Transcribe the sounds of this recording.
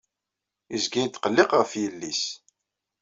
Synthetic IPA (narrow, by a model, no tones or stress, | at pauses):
izɡæjt̪ːqəlːɪqʁəfjəlːis